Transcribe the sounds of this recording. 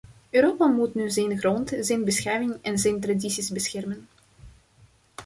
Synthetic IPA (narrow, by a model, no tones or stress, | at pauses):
øːɾoːpamutnyzɛjnχrɔntzɛjnbəsxɛjwɪŋɛnzɛjnt̬radisizbəsxɛrmən